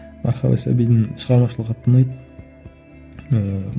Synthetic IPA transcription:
mɑ̰ɾχɑ̰wa̰sa̰bijd̪ɪŋʃəʁɑɾmɑʃəlˠəqʰɑt̪ənɑjt̪ | ə

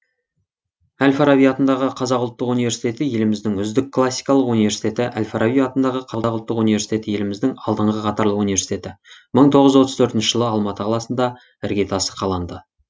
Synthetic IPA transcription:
ælfaɾavijɑt̪ənd̪ɑʁəqʰɑzɑqʊlˠt̪ːəqunijvesi̥jt̪e̞t̪ɪje̞lɪmɪzd̪ɪŋʏzd̪ɪkʰːlˠasːijkɑlˠəqunive̞ɾsi̥t̪ʰʲe̞t̪ɪʔælʲfaɾavijɑt̪ənd̪ɑʁəqʰɑɑqʊlˠt̪ːəqunijvʲe̞si̥t̪e̞t̪ɪje̞lɪmɪzd̪ɪŋɑlˠd̪əɴʁəqʰɑt̪ɑɾlˠəqunijveɾsi̥t̪e̞t̪ɪməɴt̪ʰo̞ʁəzwo̞t̪əzt̪ʰɵɾt̪ɪnʃɪʒ̥əlˠəɑlˠmɑt̪əqʰɑlˠɑsənd̪ɑ | ɪɾɡʲe̞t̪ʰɑsə̥qʰɑlˠɑnd̪ə

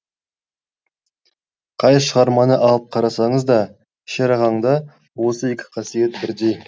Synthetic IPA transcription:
qʰɑjʃəʁɑɾmɑnəʔɑlˠəp̚qʰɑɾɑsɑɴəzd̪ɑ | ʃɑɾɑʁɑɴd̪ɑ | wo̞səe̞kʲɪ̥qʰɑsijet̪̚bɪɾd̪e̞j

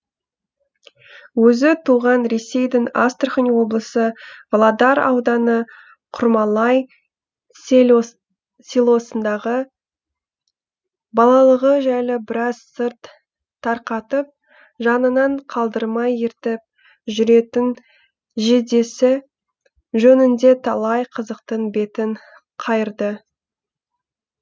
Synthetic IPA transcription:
wɵzɪt̪ʰuʁɑnɾe̞se̞jd̪ɪŋast̪rχənwo̞blˠəsəvlˠɑd̪ɑɾɑ̰wd̪ɑnə | qʰʊɾmɑlˠɑj | sʲilˠo̞sənd̪ɑʁə | bɑlˠɑlˠəʁəʒæjlɪbɪɾɑz̥səɾt̪ʰː | ɑɾqɑt̪əp̚ | ʒɑnənɑɴqʰɑlˠd̪əɾmɑjɪɾt̪ɪp̚ | ʒʏɾe̞t̪ɪn | ʒe̞d̪e̞sɪ | ʒɵnɪnd̪e̞t̪ʰɑlˠɑjqʰəzəq̚t̪əɴbe̞t̪ɪɴ | qʰɑjəɾd̪ə

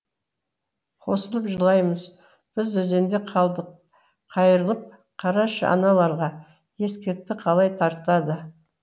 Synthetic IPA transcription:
qʰo̞səlˠəpʒəlˠɑjməz | b̥ɪzwɵze̞nd̪e̞qʰɑd̪ | qʰɑjəɾəlˠəp̚ | qʰɑɾɑʃɑ̰nɑlˠɑɾʁɑ | je̞skʲe̞ɾt̪ːɪqʰɑlˠɑjt̪ʰɑɾt̪ɑd̪ə

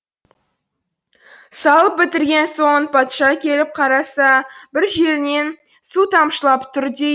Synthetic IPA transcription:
sɑlˠəp̚bɪt̪ɪɾɡʲe̞nso̞ɴənpʰɑt̪ʃɑkʲʰe̞lɪp̚qʰɑɾɑsɑbɪɾʒe̞ɾɪne̞n | sut̪ʰɑmʃəlˠɑpt̪ʰʏɾd̪e̞

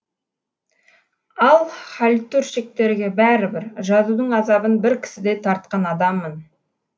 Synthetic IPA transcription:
ɑlˠχalʲt̪uɾʃek̚t̪e̞ɾɡʲe̞bæɾɪbɪɾʒɑzud̪əɴɑzɑbənbɪɾkʲʰɪ̥sɪd̪e̞jt̪ʰɑɾt̪̚qɑnɑd̪ɑmːən

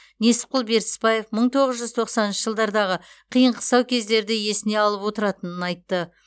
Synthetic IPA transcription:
ne̞sɪ̥p̚qʊlˠbe̞ɾt̪ɪ̥spɑje̞fməɴt̪ʰo̞ʁəzʒʏzt̪ʰo̞qsɑnɪnʃəʒəlˠd̪ɑɾd̪ɑʁəqʰijəɴqʰə̥sɑwkʲʰe̞zd̪e̞ɾd̪ɪje̞sɪne̞ɑlˠəpwo̞t̪əɾɑt̪ənənɑjt̪ːə

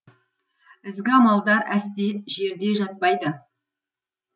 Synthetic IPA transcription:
ɪzɡʲɪɑmɑlˠd̪ɑɾæst̪eʒe̞ɾd̪e̞ʒɑt̪̚pɑjd̪ə

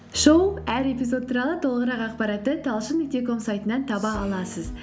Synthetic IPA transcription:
ʃowpæɾe̞pʲizo̞d̪̚t̪ʰːuɾɑlˠət̪ʰo̞lˠəʁəɾɑqɑqpɑɾɑt̪ːət̪ʰɑlˠʃəmek̚t̪eko̞msajt̪ənɑnt̪ʰɑbɑːlˠɑsəz

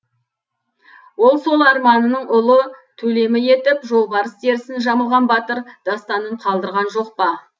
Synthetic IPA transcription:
wo̞lˠso̞lˠɑɾmɑnənəɴʊlˠət̪ʰɵle̞mɪje̞t̪ɪpʒo̞lˠbɑɾəsd̪e̞ɾɪsɪnʒɑməlˠʁɑnbɑt̪əɾd̪̥ɑst̪ɑnəɴqʰɑlˠd̪əɾʁɑnʒo̞q̚pɑ

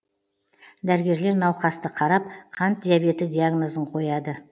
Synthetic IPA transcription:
d̪æɾɪɡʲe̞ɾle̞ɾnɑwqɑst̪əqʰɑɾɑp̚qʰɑnt̪̚d̪ʲijabe̞t̪ɪd̪ʲiaɡno̞zəɴqʰo̞jɑd̪ə

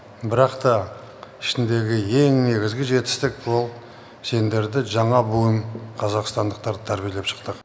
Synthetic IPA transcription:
bɪɾɑqt̪ɑ | ɪʃɪnd̪e̞ɡʲɪje̞ŋne̞ɡʲɪzɡʲɪʒe̞t̪ɪ̥st̪ɪk̚bo̞lˠ | se̞nd̪e̞ɾd̪ɪʒɑɴɑbojəmqʰɑzɑqst̪ɑnd̪əq̚t̪ɑɾd̪t̪ʰæɾbijele̞pʃə̥qt̪əq

